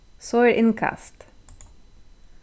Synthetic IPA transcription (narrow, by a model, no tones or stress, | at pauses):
sɔʏɹʔɪnkʰɑ̰st̪